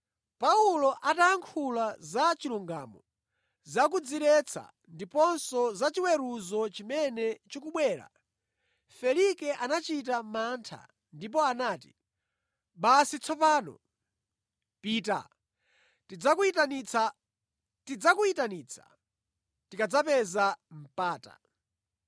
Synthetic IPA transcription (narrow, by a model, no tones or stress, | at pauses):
paulɔʔataaŋkʰulazat͡ʃiluŋɡa̰ːmɔ | zakud͡ziɾɛt͡sʰa̰ | ndipɔnsɔzat͡ʃiwɛɾuzɔt͡ʃimɛnɛt͡ʃikuɓwɛːɾa̰ | fɛlikɛʔanat͡ʃit̬amaːntʰa̰ | ndip̬ɔanaːti | ɓasit͡sʰɔpaːnɔ̰ | piːta̰ | tid͡zaktanit͡sa | tid͡zakuitaniːt͡sʰḁ̰ | tikad͡zapɛzam̩paːta̰